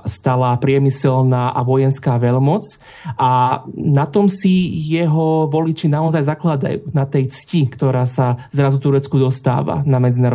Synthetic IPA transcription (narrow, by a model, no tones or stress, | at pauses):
st̪alaːpɾɪɛmisɛlnaːʔa̰ʋɔjɛnskaːʋɛlmɔt͡s | ʔanat̪ɔmsijɛɦɔʋɔlit͡ʃinaɔzajzaklad̪a̰jṵːnat̪ɛjt͡scikt̪ɔɾaːsazɾazut̪uɾɛt͡skud̪ɔst̪a̰ːʋa̰namɛd͡zinaːɾɔ